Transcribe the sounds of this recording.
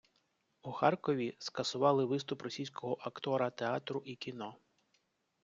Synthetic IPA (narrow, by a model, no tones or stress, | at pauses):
uxɑrkɔʋʲiskɐsʊʋɑlˠɪʋɪst̪ʊprɔsʲijsʲkɔɦɔʔɐkt̪ɔɾɐt̪eɑt̪ɾʊʔikʲinɔ